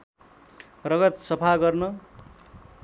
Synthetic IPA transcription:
rʌɡʌt̪sʌpʰaɡʌrnʌ

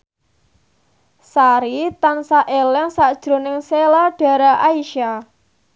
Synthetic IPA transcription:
saɾit̪ansaʔelɛŋsad̥ʒ̥ɾo̤nɪŋselaɖ̥a̤ɾaʔaiʃa

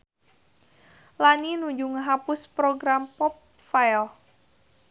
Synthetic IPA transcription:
laninuɲd͡ʒuŋəɦapʊspɾoɡɾampɔp̚ | fajl

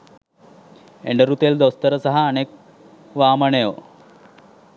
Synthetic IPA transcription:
ḛɳɖəɾut̪eld̪ost̪ɐɾəsɐɦaːnek̚ | ʋaːməɳejo

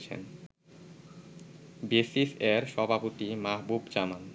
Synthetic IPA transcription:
t͡ɕʰḛn | besiseɾʃɔbʱapot̪imaɦbubd͡ʑaman

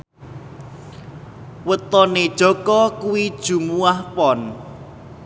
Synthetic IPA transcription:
wət̪ɔned̥ʒ̥ɔ̤kɔkuwid̥ʒ̥ṳmuahpɔn

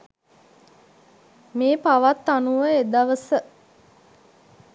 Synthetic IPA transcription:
meːpaʋat̪ːanuʋəed̪aʋəsə

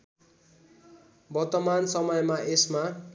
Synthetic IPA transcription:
bʌrt̪ʌmansʌmʌjmaesma

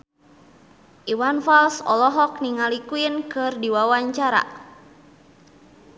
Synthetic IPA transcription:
ʔiwanfalsɔ̰lɔɦɔk̚niŋalikuinkɨrdiwawaɲt͡ʃaɾa̰

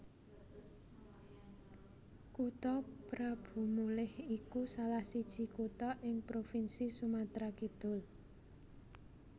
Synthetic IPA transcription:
kut̪ɔpɾab̥ṳmulɪhikusalahsid̥ʒ̥i̤kut̪ɔʔɪŋpɾofinsisumat̪ɾakid̪̥ʊ̤l

